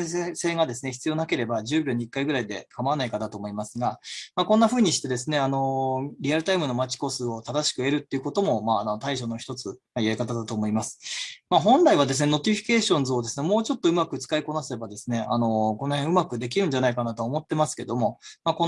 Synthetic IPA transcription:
se̞ːɡad̪e̞sɨne̞çi̥t͡sɨjo̞ːnake̞ɾe̞baʑɨːbʲo̞ɲ̟ikːaiɡɯ̟ɾaid̪e̞̰kamaanaikad̪at̪o̞ːmo̞imasɨɡamakõ̞nːaɸɯ̟ːɲ̟iɕi̥t̪e̞d̪e̞s̬ɨne̞ano̞ɾʲiaɾɯ̟t̪aimɯ̟no̞mat͡ɕi̥ko̞sɨo̞t̪ad̪aɕi̥kɯ̟e̞ɾɯ̟t̪ːe̞iɯ̟ko̞t̪o̞mo̞manot̪aiɕo̞noçi̥t̪o̞t͡sɨmaijaikat̪̬ad̪at̪oːmo̞imasɨ̥maɦõ̞nɾaiβ̞ad̪e̞s̬ɨne̞no̞t̪ʲiɸʲi̥ke̞ːɕõ̞nzɨo̞d̪e̞sɨne̞mo̞ːt͡ɕo̞t̪ːo̞ɯmakɯ̟t͡sɨ̥kaiko̞nase̞bad̪e̞sɨne̞ano̞kono̞hẽɯ̟makɯ̟d̪e̞k̬ʲiɾɯ̟̃ɲ̟d͡ʑanaikanat̪oːmo̞t̪ːe̞masɨ̥ke̞d̪o̞mo̞mako

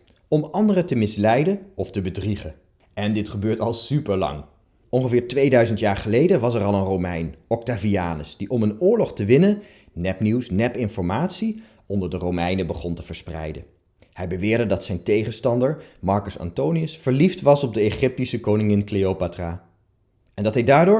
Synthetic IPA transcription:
ɔmɑndərətəmɪslɛjdənɔftəbədriχə | ɛndɪtχəbøːɹtɑlˠsypəɹlɑ̰ŋ | ʔɔnχəvɪːɹtʋejdœɥzəntjaːɹχəlejdəʋɑs̬ɛrɑlˠənrowmɛ̰jnɔk̚taviaːnə̰sd̥iʔɔmənʊːɹlɔχtəʋɪnən | nɛpniwsnɛpɪnfɔɹmaːtsi | ʔɔndəɹdərowmɛjnəbəχɔntəv̥əɹsprɛ̰jdə | hɛjbəʋɪːɹdədɑtsɛjntejχənstɑndəɹmɑɹkəsɑ̰ntowniəsfəɹliftʋɑsɔb̚dəeχɪp̚tisəkownɪŋɪnklejowpatra | ʔɛndɑtɦɛjdaːɹdʊːɹ

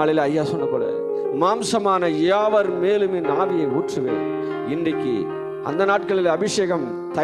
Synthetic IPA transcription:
aːɭɪlɐjːaːsɔnːɐpːɐːɽɐ̰ | maːmsɐmaːnɐeːaːʋɐɾmeːlɯmeːnaːbɪjɐɪuːʈrɯʋḛːn̰ | ɪndrɪkːɯ̰ | ʔɐ̰nd̪ɐnaːʈkɐɭɪlɐbɪʂeːɣɐm | t̪ɐ

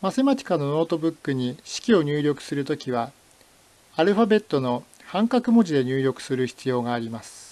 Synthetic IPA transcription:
masemat͡ɕʲi̥kano̞no̞ːt̪o̞bɯ̟kːɯɲ̟iɕi̥kʲio̞ɲ̟ɨːɾʲo̞kɯ̟̥sɨɾɯ̟t̪okʲiβ̞a | aɾɯ̟ɸabe̞t̪ːo̞no̞ | hãŋkakɯ̟mo̞ʑid̪e̞ɲ̟ɨːɾʲo̞kɯ̟̥sɨɾɯçi̥t͡sɨjo̞ːɡaːɾʲimasɨ̥

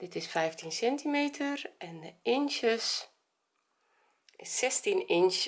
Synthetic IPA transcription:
d̥ɪtɪsfɛjftinsɛntimeːtʰərʔɛndəɪnʃəs | ɪsːɛstinɪnʃ

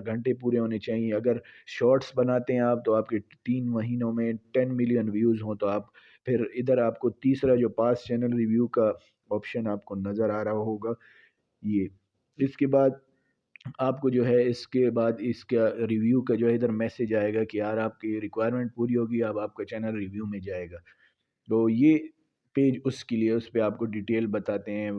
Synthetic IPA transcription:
ɡʱɐ̃ɳʈep̬uːɾeɦoːnet͡ʃaːɦiẽɐɡəɾʃɔːɾʈsbɐnaːt̪eɦɛ̃aːp̚t̪oaːp̚ket̪iːnʋɐɦiːnõmẽʈɛnmɪlijənʋjuːzɦõt̪oaːp | pʰɪɾɪd̪əɾaːpkot̪iːsɾad͡ʒoːpaːst͡ʃɛːnəlɾiʋjuːka | ɔːpʃənaːp̚konɐzəɾaːɾɐɦaɦoːɡaː | jeː | ɪskebaːd̪̚ | aːpkod͡ʒoːɦɛɪskebaːd̪ɪskaɾiʋjuːkad͡ʒoːɦɛɪd̪əɾmɛːsed͡ʒaːeːɡakijaːɾaːp̚kiɾɪkʋaːɪjəɾmẽːɳʈ̚puːɾiɦoːɡiaːpaːp̚kat͡ʃɛːnəlɾɪʋjumẽd͡ʒaːeːɡaː | t̪oːjeː | peːd͡ʒʊskelieʊspeaːpkoɖiʈeːlbɐt̪aːt̪eɦɛ̃ː

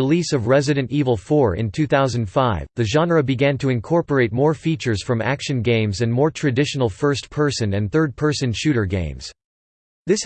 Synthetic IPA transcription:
ɨlisʌvɹɛzɨɾɨ̃ntivl̩ˠfɔɹɪ̰̃ntʰʉθaʊzɨ̃n̩d̥faɪvðɨʒɑ̃nɹɨbɨɡæ̃ntʰɨɨ̃nkʰɔɹpə˞eɪt̚mɔɹfit͡ʃə˞z̥fɹʌ̃mæ̰kʃɨ̃nɡẽɪ̃mzɨ̃nmɔɹtʰɹ̥ɨdɪʃn̩l̩ˠfɜ˞spʰɜ˞sɨ̃nɨ̃nθɜ˞d̚pʰɜ˞sɨ̃nʃʉɾə˞ɡḛ̃ɪ̃mz̥ | ðɪs

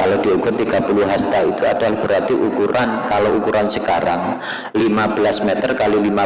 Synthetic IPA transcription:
kalod̥iukʊrt̪iɡ̥a̤puluɦast̪ait̪uad̥alahb̥əɾat̪ɪfukuɾankaloukuɾansəkaɾa̰ŋ | limab̥əlasmɛt̪ərkalilima

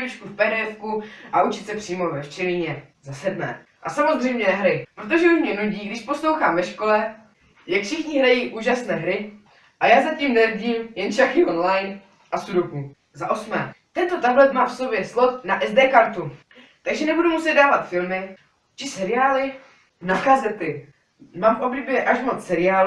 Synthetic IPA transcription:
ɾut͡ʃkufpɛɦɾɛːfkuʔaut͡ʃɪt̪sɛpr̥iːmovɛft͡ʃɛliːɲɛ | zasɛdmɛ̰ː | ʔasamo̞zrɛjmɲɛnɛɦɾɪpɾot̪̬o̞ʒɛuʃmɲɛnuɟiːɡdɪʃpo̞slowxaːmvɛʃko̞lɛ | jakfʃɪxɲɪɦɾajiːʔuːʒasnɛːɦɾɪ | ʔajaːzaciːmnɛɾɟiːmjɛnt͡ʃaxɪʔonlajn | ʔasudoku | zaʔo̞smɛ̰ːt̪ɛnt̪o̞t̪ablɛt̪maːfso̞bjɛslo̞t̪naʔɛzdɛːkaɾt̪u | t̪aɡʒɛnɛbudumusɛd̪̚daːvat̪fɪlmɪ | t͡ʃɪsɛɾɪaːlɪ | nakazɛt̪ɪ | maːmʔo̞blibjɛʔaʃmot͡ssɛɾɪaːl

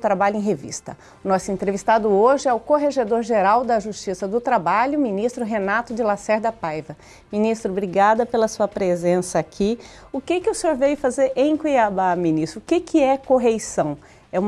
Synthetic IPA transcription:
t̪ɾabaʎʊẽɦevḭst̪ɐ | ʊnɔsʊẽnt̪ɾevist̪ad̪ʊoʒɪɛʊkoɦeʒed̪oɾʒeɾawd̪ɐʒust͡ʃisɐd̪ʊt̪ɾabaʎʊmĩnist̪ɾʊɦenat̪ʊd͡ʒɪlasɛɾd̪ɐpajvɐ | mĩnist̪ɾʊbɾiɡad̪ɐpelɐsuɐpɾezẽsɐːkʰi | ʊkɪkɪʊsɪoɾvejʊfazeɾʔẽj̃kwiabamĩnist̪ɾʊʊkɪkʰɪɛkoɦejsɐ̃w̃ | ɛũm

